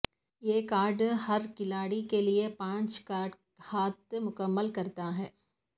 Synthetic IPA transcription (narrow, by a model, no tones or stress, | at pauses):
jeːkaːɾɖhɐɾkɪlaːɽikeliepãːt͡ʃkaːɖ | haːt̪̚mʊkəmːəlkɐɾt̪aɦɛː